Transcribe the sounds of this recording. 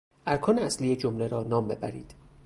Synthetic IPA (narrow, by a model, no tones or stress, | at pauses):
ʔæɾkʰɒːneæslijed͡ʒomleɾɒːnɒːmbe̞̰bæ̰ɾḭːd̪̥